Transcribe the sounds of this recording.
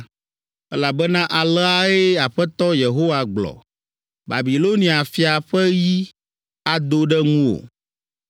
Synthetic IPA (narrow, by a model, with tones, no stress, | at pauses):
ɛ˦la˨bɛ˦nã˦ʔa˨lɛ˦a˦e˦a˨ɸɛ˦t̪ɔ˦je˨ɦo˦wa˨ɡ͡blɔ̰˨ | ba̰˨bi˨lo˦nĩ˨a˨fi˦a˨ɸɛ˦ji˦ | a˦d̪o˦ɖɛ˦ŋũ˦o̰˨